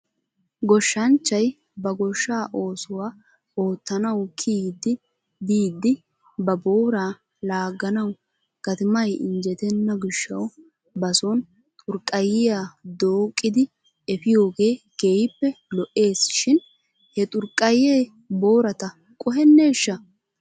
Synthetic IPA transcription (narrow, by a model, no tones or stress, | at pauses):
ɡɔʃːɐnt͡ʃːɐj | bɐɡɔʃːaːʔo̞ːsʊwaː | oːt̪ːɐnɐwkʰiːd̪ːɪ | d̪iːd̪ːɪ | bɐboːɾaː | laːɡɐnɐw | ɡ̥ɐt̪ɪmɐjɪnd͡ʒɛt̪ɛnːɐɡɪʃːɐw | bɐsɔn | t̪ʼʊɾkʼːɐjɪjaːd̪oːkʼːɪd̪ɪ | ɛfɪjo̞ːɡe̞ːɡ̥eːjpːɛlɔʔe̞ːsʃɪn | hɛt̪ʼʊɾkʼːɐjeː | bo̞ːɾɐt̪ɐ | kʼʊɦɛnːeːʃːɐ